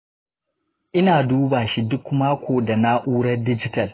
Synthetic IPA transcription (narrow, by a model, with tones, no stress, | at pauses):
ʔɪ˦naː˨duː˦baː˨ʃi˦dʊ˦kmaː˦kʷoː˨da˨na˦ʔuː˦ɽɐ˦rdɪ˦d͡ʒɪ˦tɐ˨l